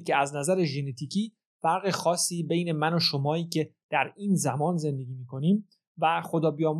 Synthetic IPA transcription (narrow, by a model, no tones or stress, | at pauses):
cʰeæznæzæɾeʒe̞net̪ʰiːcʰiː | fæɾɣexɒːsːiːbejne̞mænoʃomɒːiːcʰe̞d̪̥æɾiːnzæmɒːnze̞nd̪e̞ɡʲiːmiːkʰo̞niːm | væxo̞d̪ɒːbijɒːm